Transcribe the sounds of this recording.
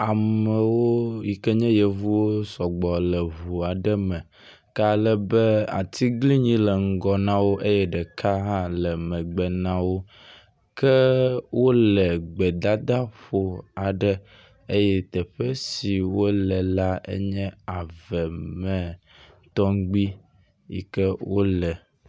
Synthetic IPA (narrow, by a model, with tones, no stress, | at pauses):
a˨mɛ˨wo˦ji˨kɛ˦ɲɛ̃˦jɛ˨vu˦wo˦sɔ˨ɡ͡bɔ˨lɛ˨vu˨a˨ɖɛ˦mɛ̃˨ | ka˦lɛ˦bɛ˦a̰˨t̪ʰi˦ɡli˦ɲĩ˦lə˨ŋ̩˦ɡɔ˦nã˦wo˦ʔe˦jɛ˦ɖɛ˨kʰa˦ɦã˦lɛ˨mɛ̃˨ɡ͡bɛ˨nã˦wo˦ | kɛ˦wo˦lə˨ɡ͡bɛ˨d̪a˦d̪a˦ɸo˦a˨ɖə˦ | e˦jɛ˦t̪ɛ˨ɸɛ˦si˨wo˦lɛ˨la˦ḛ˦ɲɛ̃˦a˨vɛ˨mɛ̃˨ | t̪ɔ˦ŋ˦ɡ͡bi˦ | ḭ˦kɛ˦wo˦lɛ˨